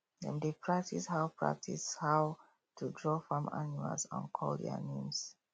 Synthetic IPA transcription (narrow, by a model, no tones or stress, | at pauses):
dɛ̰̃ndepʰɹak̚tishawpʰɹa̰k̚tʰishaw | tʰudɹɔfãma̰numa̰lsã̰nkʰɔldɛ̰nẽms